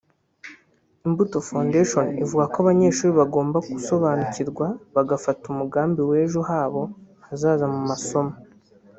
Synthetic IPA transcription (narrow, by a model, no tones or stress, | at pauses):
imbuto̞fandeʃonivuɡakoaβaɲe̞ːʃuːɾiβaɡo̞ːmbakuso̞βaːnuciɾɡwaβaɡafatumuɡaːmbiwe̞ːʒuɦaːβo̞hazaːzamumaso̞ma